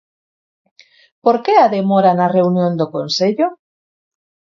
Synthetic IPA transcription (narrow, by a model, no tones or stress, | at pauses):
poɾkeaðemoɾanareunjõnd̪okonseʎo